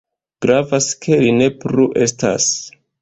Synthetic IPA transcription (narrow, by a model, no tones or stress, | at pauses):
ɡ̥ɾavaskʰe̞line̞pɾuʔe̞sta̰s